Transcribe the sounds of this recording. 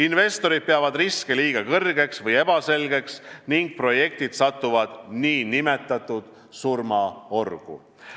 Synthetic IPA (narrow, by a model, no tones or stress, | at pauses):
inve̞st̪o̞ɾid̪̚peɑvɑd̪riskeliːɡ̥ɑkɤrɡe̞ksvɤje̞b̥ɑse̞lɡe̞ksniŋɡ̥̚pro̞je̞k̚t̪id̪̥sɑt̪ːˑuvɑd̪̥niːnime̞t̪ːˑɑt̪ːˑud̪̥ | surmɑo̞rɡ̥ṵ